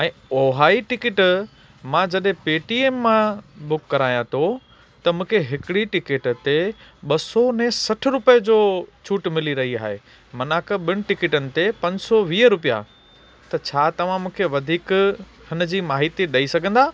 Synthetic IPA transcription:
ɛ̃ːoːɦaːiʈɪkɪʈ | mãd͡ʑɐɗɦẽpeːʈiːeːmːãbʊkːɐɾaːijãt̪ʰo | t̪ɐmũːkʰeɦɪkɪɽiʈɪkɪʈt̪eɓɐsɔnɛ̃sɐʈʰʊ̆ɾʊpəd͡ʑoːt͡ɕʰuːʈmɪliɾɐɦiaːɦḛ | mɐnaːkəɓɪñɪ̆ʈɪkɪʈənɪ̆t̪epɐ̃ɲd͡ʑsɔʋiːəɾʊpija̰ | t̪ɐt͡ɕʰaːt̪ɐʋ̤ãmũːkʰeʋɐd̪ʱiːkhɪn̆d͡ʑiːmaːɦɪt̪iɗɐisɐɡʱə̃nd̪aː

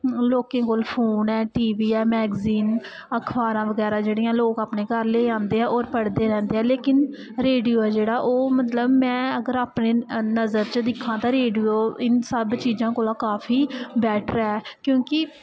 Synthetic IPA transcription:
loːkẽːkoːlpʰoːnɛːʈiːʋiːɛːmɛːɡziːn | əkʰʋaːɾãːʋəɡɛːɾaːd͡ʒeːɽijãːloːkaːpneːkəɾleːãːnd̪eːɦɛːʔoːɾpəɽd̪eːɾɛ̃ːnd̪eːɛːleːkɪn | ɾeːɖijoːɛːd͡ʒeːɽaːʔoːmət̪ləbmɛ̃ːəɡəɾaːpneːnəzəɾt͡ʃəd̪ɪkʰãːt̪ãːɾeːɖijoːɪnsəbt͡ʃiːzãːkoːlaːkaːfʰiːbɛːʈʰɾɛːkjõːkɪ

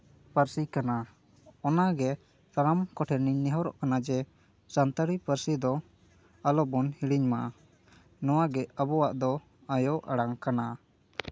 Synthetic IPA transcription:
pəɾsikana | ɔnaɡɛ | t̪aɾamkɔʈʰɛɾniɲnɛɦɔɾɔ̰ʔkanad͡ʒɛ | sant̪aɾipəɾsid̪ɔ | alɔbɔnhiɽiɲmaʔ | nɔwaɡɛabɔwaʔd̪ɔ | ajɔʔaɽaŋkana

